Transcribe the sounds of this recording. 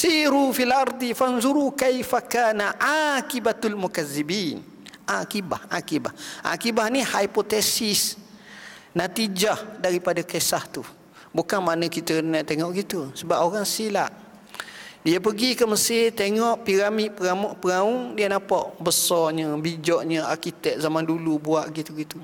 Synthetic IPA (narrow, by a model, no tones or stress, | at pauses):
siɾufialʔɑɾˤd̪ifanzuɾukajfakaːnaʔakibat̪almukaðːibiːn | ʔakiba̰hʔa̰kiba̰hʔa̰kibahnihajpot̪esis | nat̪id͡ʒahdaɾipadakesaht̪u | bukanmanəkit̪ənaʔt̪eŋɔʔɡit̪usəbapoɾaŋsilaʔ | diəp̬əɡikəməsɪt̪eŋɔʔpiɾamiʔpəaʔpəŋauŋdiənapaʔbəsɔɲəbid͡ʒɔʔɲəarkit̪ɛk̚zamandulubuaʔɡit̪uɡit̪u